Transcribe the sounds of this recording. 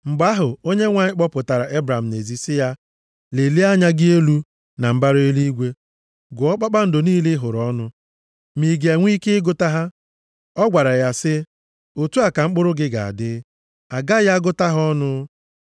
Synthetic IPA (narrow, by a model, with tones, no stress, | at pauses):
ŋ͡m̩˨ɡ͡ba˦ɦʊ˨o˦ɲe˦ŋʷa˨ɲɪ˦k͡pɔ˦pʊ˨ta˨ɾa˨ʔe˦bɾa˨m̩˨ne˨zi˨sɪ˦ja˦ | le˨li˦a˦ɲa˦ɡɪ˦e˦lu˦ | na˨m̩˦ba˦ɾe˦li˦i˦ɡʷe˦ | ɡʊ˨ɔ˦k͡pa˦k͡pa˦n̩˦dʊ˨niː˦lɪ˦ɦʊ˨ɾɔ˦nʊ˦ | mi˨ɡa˨ŋʷ˦i˦kɪ˦ɪ˦ɡʊ˦ta˦ɦa˦ | ɔ˦ɡʷa˨ɾa˨ja˦sɪ˦ | o˨tu˦a˨ka˨ŋ͡m̩˦k͡pʊ˦ɾʊ˦ɡɪ˦ɡa̰˨a̰˨dɪ˦ | a˨ɡa˦ja˦ɡʊ˦ta˦ɦɔ˦nʊ˦